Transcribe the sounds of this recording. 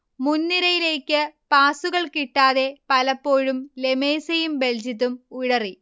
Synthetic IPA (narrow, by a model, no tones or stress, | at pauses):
munːiɾɐjile̞ːkʲːɨpaːsuɣɐɭkiʈːaːðe̞pɐlɐpːoːɻumle̞me̞ːsɐjumbe̞ld͡ʑit̪ːumuɻɐri